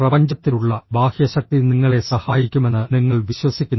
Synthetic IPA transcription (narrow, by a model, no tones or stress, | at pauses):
prɐbɐɲd͡ʑɐt̪ːiluɭːɐbʱaːhjɐɕɐk̚t̪iniŋːɐɭe̞sɐhaːjikʲːume̞nːɨniŋːɐɭʋiɕwɐsikʲːunːɐ